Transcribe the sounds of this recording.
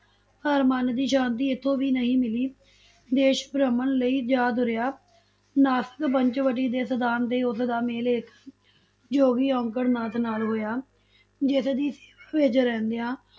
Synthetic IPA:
əːɾmand̪iːʃãːnt̪̬iːɪt̪ʰːõːʋiːnəɦĩːmɪliː | d̪eːʃbɾəmənləiːd͡ʒaːd̪ʊɾɪjaː | naːsə̥kpəɲt͡ʃʋəʈiːd̪eːsəd̪aːnt̪eːʊsd̪aːmeːlɪk | d͡ʒoːɡiːɔ̃ːŋkəɽnaːt̪ʰnaːlɦoːjaː | d͡ʒɪsd̪iːseːʋaːʋɪt͡ʃɾɛ̃ːnd̪ejãː

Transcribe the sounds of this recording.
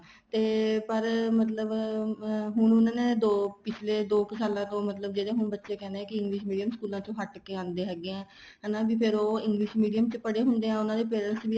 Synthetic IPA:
t̪eːpəɾmət̪ləb | ɦʊɳʊnãːneːd̪oːpɪt͡ʃʰleːd̪oːkəsaːlãːt̪õːmət̪ləb̚d͡ʒeːɽeːɦʊɳbətːʃeːkɛːneɛ̃ːkɪɪ̃ŋɡlɪʃmiːɖijəmskuːlãːt͡ʃõːɦəʈkeːãːnd̪eːɦɛːɡeːãː | ɦɛːnãːbiːpʰɪɾoːɪ̃ŋɡlɪʃmiːɖijəmt͡ʃpəɽeːɦʊnd̪eːãːʊnãːd̪eːpeːɾəlsʋiː

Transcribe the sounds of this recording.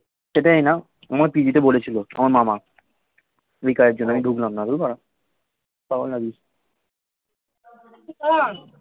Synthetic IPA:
ʃeʈaena | amaɾpid͡ʑit̪ebolet͡ɕʰiloa̰maɾmama | ejkaɾed͡ʑonːamiɖʱuklamnad̪olbaɾa | paolnabi

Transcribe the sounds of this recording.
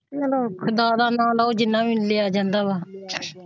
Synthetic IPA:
əloːkʰʊd̪aːd̪aːnãːlaːoːd͡ʒɪnːãːʋĩːnleːaːd͡ʒãːnd̪aːβaː

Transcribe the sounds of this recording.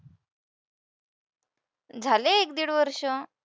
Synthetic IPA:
d͡zʱalẽːk̚d̪iɽʋəɾʂə̃

